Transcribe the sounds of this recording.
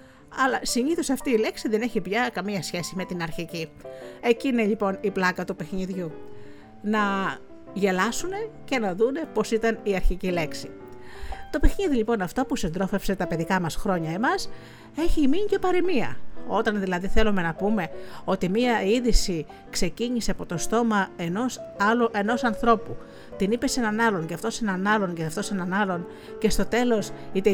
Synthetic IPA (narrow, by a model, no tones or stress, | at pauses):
ɐlɐsiɲiθosɐft̪iːle̞ksiðe̞ne̞çipʝɐkɐmiɐsçe̞sime̞t̪inɐɾçicie̞ciːne̞ʎipo̞niplɐkɐt̪upe̞xniðʝu | nɐ | ʝe̞lɐsune̞ce̞nɐðune̞po̞sit̪ɐniɐɾçicile̞ksi | t̪o̞pe̞xɲiðiʎipo̞nɐft̪opusind̪ɾo̞fe̞pse̞t̪ɐpe̞ðikɐmɐsxɾo̞ɲɐe̞mɐs | e̞çiːmiɲce̞pɐɾemiɐ̰o̞t̪ɐnðilɐðiθelume̞nɐpume̞o̞t̪imiɐiðisi | kse̞ciɲiseɐpo̞t̪o̞st̪o̞mɐeno̞sɐloʔeno̞sɐnθɾo̞pu | t̪inipe̞se̞nɐnɐlo̞ɲceɐft̪o̞se̞nɐnɐlo̞ɲceɐft̪o̞se̞nɐnɐlo̞n | ce̞st̪o̞t̪e̞lo̞sit̪e